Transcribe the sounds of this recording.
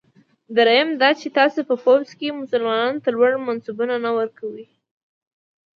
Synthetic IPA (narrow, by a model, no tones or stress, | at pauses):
d̪aɾajamd̪ɑt͡ʃet̪ɑsepəpowzkemʊsʊlmɑnɑnt̪alwaɽmansubunanawəɾkawi